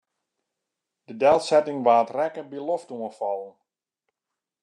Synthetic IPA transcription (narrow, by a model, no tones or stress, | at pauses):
d̥ədɛlˠsɛtɪŋʋaːtrɛkəbəloftuəfɑlˠən